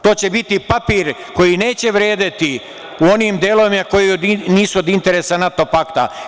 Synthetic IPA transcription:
t̪o̞ːt͡ɕe̞bit̪ipapiːɾ | ko̞jineːt͡ɕe̞ʋɾeːd̪at̪i | uo̞niːmd̪eːloʋimako̞jiod̪iniːsuod̪int̪eɾesanat̪o̞pakt̪a̰

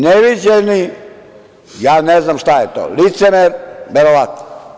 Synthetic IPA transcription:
neʋid͡ʑeni | jaːneznamʃt̪ajet̪o̰lit̪semeɾʋeɾoʋat̪no

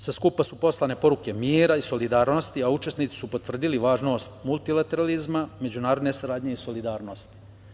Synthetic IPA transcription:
saskupasupo̞slˠane̞po̞ɾuke̞miːɾaiso̞lid̪aːɾno̞st̪iaut͡ʃe̞snit̪si̥supo̞t̪ʋr̩d̪iliʋaːʒno̞ːst̪mulˠt̪ilˠat̪e̞ɾalizmame̞d͡ʑunaːɾo̞d̪ne̞saɾaːd̪ɲe̞iso̞lid̪aːɾno̞st̪i̥

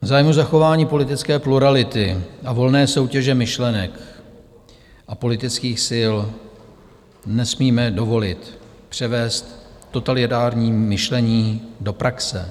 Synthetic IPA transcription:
vzaːjmuzaxo̞vaːɲiːpo̞lɪt̪ɪt͡skɛːpluɾalɪt̪ɪʔavo̞lnɛːso̞wcɛʒɛmɪʃlɛnɛk | ʔapo̞lɪt̪ɪt͡skiːxsɪl | nɛsmiːmɛdo̞vo̞lɪt̪ | pr̥ɛvɛːst̪ːo̞t̪alɪt̪aːɾɲiːmɪʃlɛɲiːdo̞pɾaksɛ̰

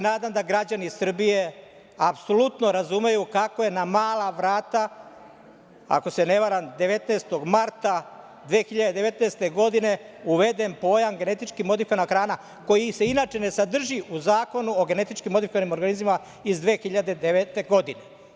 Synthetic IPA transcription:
naːd̪amd̪aɡɾad͡ʑanisr̩bije̞ | apsolut̪no̞ɾazume̞jukako̞je̞namaːlˠaʋɾaːt̪a | a̰ko̞se̞ne̞ʋaɾamd̪e̞ʋe̞t̪nest̪o̞ɡmaɾt̪a | d̪ʋeːxiʎad̪ed̪e̞ʋe̞t̪neːst̪e̞ɡo̞d̪ine̞ | uʋe̞d̪e̞mpo̞ːjamɡene̞t̪it͡ʃkimo̞d̪ifikoanaxɾaːna | ko̞jise̞inaːt͡ʃe̞ne̞sad̪r̩ʒiʔuzaːko̞nuoɡe̞ne̞t̪it͡ʃkimːoifikoanimo̞ɾɡanizmima | izd̪ʋe̞ːxiʎad̪e̞d̪eʋet̪e̞ɡo̞d̪ine

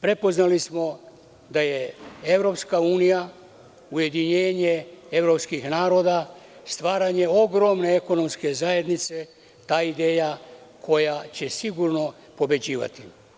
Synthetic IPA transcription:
pɾe̞po̞znalismo̞ | d̪aje̞evɾo̞pskauːnija | uje̞d̪iɲe̞ːɲee̞ʋɾo̞pskixnaːɾo̞d̪ast̪ʋaːɾaɲe̞o̞ɡɾo̞mne̞eko̞no̞mske̞zaje̞d̪nit̪se̞ | t̪aːid̪eːjakʰo̞jat͡ɕe̞siɡuɾno̞ | po̞be̞d͡ʑiːʋa̰t̪i

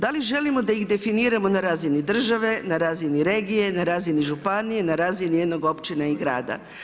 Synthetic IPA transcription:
d̪aliʒe̞limod̪aiɣd̪e̞finiːɾamo̞naɾaːzinid̪r̩ʒaʋe̞naɾaːziniɾe̞ːɡije̞naɾaːziniʒupanije̞naɾaːzinije̞d̪no̞ɡo̞pt͡ʃinaiɡɾa̰ːd̪a̰

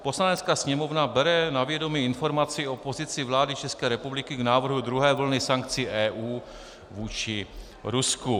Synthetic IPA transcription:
po̞slanɛt͡skaːsɲɛmo̞vnabɛɾɛnavjɛdo̞miɪnfo̞ɾmat͡sɪʔo̞po̞zɪt͡sɪvlaːdɪt͡ʃɛskɛːɾɛpublɪkɪɡnaːvr̩ɦud̪ɾuɦɛːvl̩nɪsaŋk̚t͡sɪʔɛːʔuː | vuːt͡ʃɪ | ɾusku

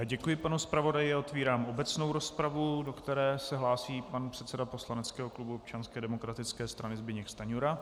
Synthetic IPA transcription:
aɟɛkujɪpanuspɾavo̞dajɪao̞t̪viːɾaːmʔo̞bɛt͡sno̞wɾo̞spɾavudo̞kt̪ɛɾɛːsɛɦlaːsiːpanpr̥ɛt̪sɛdapo̞slanɛt͡skɛːɦoklubuop̚t͡ʃanskɛːdɛmo̞kɾat̪ɪt͡skɛːst̪ɾanɪzbɪɲɛkst̪aɲuɾa

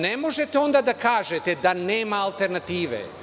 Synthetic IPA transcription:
nemo̞ʒet̪eo̞nd̪aːd̪akaːʒet̪ed̪aneːmaːlˠt̪e̞ɾnat̪iːʋḛ

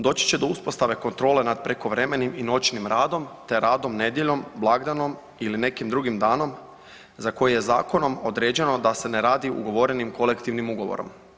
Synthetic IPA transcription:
d̪o̞ːt͡ɕi̥t͡ɕe̞d̪o̞uspo̞st̪aʋe̞ko̞nt̪ɾo̞ːle̞nad̪̚pɾe̞ko̞ʋɾe̞me̞nimino̞t͡ʃnimɾaːd̪o̞mt̪e̞ɾaːd̪o̞mne̞d̪je̞ʎo̞mblˠaɡd̪ano̞m | iline̞kimd̪ɾuɡimd̪aːno̞m | zako̞jeje̞za̰ːko̞no̞mo̞d̪ɾe̞ːd͡ʑe̞no̞d̪ase̞neɾaːd̪iṵɡo̞ʋo̞ɾe̞nimko̞le̞kt̪iʋnimuɡo̞ʋo̰ɾo̞̰m

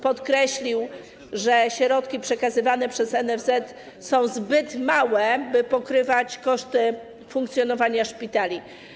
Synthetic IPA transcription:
pɔt̪kɾɛɕlʲiw | ʐɛɕɾɔt̪kʲipʂɛkazɘvanɛpʂɛzɛnɛvzɛt̪ | sɔ̃w̃zbɘt̪mawɛbɘpɔkɾɘvat͡ɕkɔʂt̪ɘ | fuŋkt̪sʲjɔnɔvaɲaʂpʲit̪alʲi

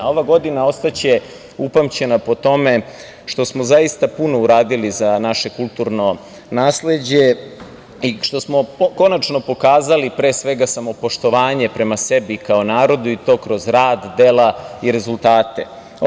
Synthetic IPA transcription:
o̞ʋaɡo̞d̪inao̞st̪at͡ɕe̞ | upamt͡ɕe̞napo̞t̪o̞me̞ | ʃt̪o̞smo̞zaist̪apuno̞uɾaːd̪ilizanaʃe̞kulˠt̪uɾno̞ | naːsle̞d͡ʑe̞ | iʃt̪o̞smo̞ko̞nat͡ʃno̞po̞kaːzalipɾe̞ːsʋe̞ɡasamo̞po̞ʃt̪o̞ʋaːɲe̞pɾe̞mase̞bikaonaːɾo̞d̪uit̪o̞ːkɾo̞zɾaːd̪ːe̞laiɾe̞zulˠt̪aːt̪e̞

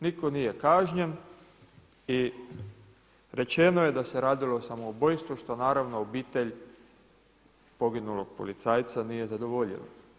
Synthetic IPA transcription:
niko̞nije̞kaːʒɲen | i | ɾe̞t͡ʃe̞noje̞d̪ase̞ɾaːd̪ilosamoubojst̪ʋuʃt̪o̞naːɾaʋno̞ːbiːt̪e̞ʎ | po̞ɡinuloɡ̥̚po̞̰lit̪saːjt̪sanije̞zad̪oʋoʎḭlo̰

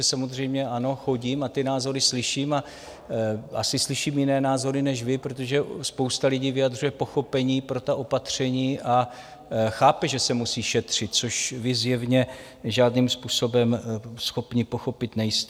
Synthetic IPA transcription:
ɛsamo̞zr̝ɛjmɲɛʔano̞xo̞ɟiːmat̪ɪnaːzo̞ɾɪslɪʃiːma | ʔa̰sɪslɪʃiːmjɪnɛːnaːzo̞ɾɪnɛʃvɪpɾot̪o̞ʒɛspo̞wst̪alɪɟiːvɪjad̪r̝ujɛpo̞xo̞pɛɲiːpɾo̞t̪aʔo̞pat̪r̝̥ɛɲiːʔa | xaːpɛʒɛsɛmusiːʃɛt̪r̝̥ɪt̪̚t͡soʃvɪzjɛvɲɛ | ʒaːdniːmspuːso̞bɛmsxo̞pɲɪpo̞xo̞pɪt̪nɛjɪst̪

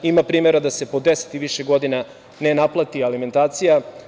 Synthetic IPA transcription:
imapɾiːmeɾad̪ase̞po̞d̪ese̥t̪iʋiʃeɡo̞d̪ina | nenaplˠat̪ialime̞nt̪aːt̪sija

